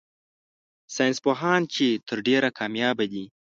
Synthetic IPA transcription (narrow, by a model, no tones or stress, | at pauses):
sɑjnspoɦɑnt͡ʃet̪ʰəɾɖeɾakʰɑmjɑbad̪i